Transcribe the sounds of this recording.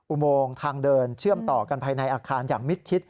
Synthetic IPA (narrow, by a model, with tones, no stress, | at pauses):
ʔu˨˧˩moː˧ŋt̪ʰaː˧ŋdɤː˧nt͡ɕʰɯ˥˩əmt̪ɔː˨˩ka˧npʰaː˧jna˧jʔaː˧kʰaː˧njaː˨˩ŋmi˦˥t̪̚t͡ɕʰi˦˥t̪̚